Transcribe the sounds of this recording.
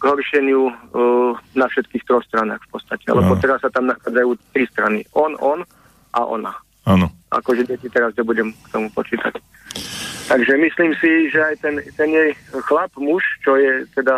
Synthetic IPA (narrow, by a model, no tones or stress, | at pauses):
ɡɦɔɾʃɪɛɲɪu | nafʃɛt̪kiːxt̪ɾɔxst̪ɾanaːxfpɔt̪t͡sst̪acɛa̰lɛbɔt̪ɛɾasːat̪amnaxaːd͡zajuːt̪ɾist̪ɾanḭʔɔnɔn | ʔa̰ʔɔ̰na | anɔʔa̰kɔʒɛɟɛcit̪ɛɾazɲɛbuɟɛmkt̪ɔmupɔt͡ʃiːt̪a̰c | t̪aɡʒɛmisliːmsiʒɛajt̪ɛnt̪ɛnjɛjxlapmuʃt͡ʃɔjɛt̪ɛd̪a